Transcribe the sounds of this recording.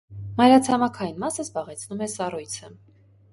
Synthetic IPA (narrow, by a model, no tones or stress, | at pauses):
mɑjɾɑt͡sʰɑmɑkʰɑjinmɑsəzbɑʁɛt͡sʰnumɛsɑrujt͡sʰə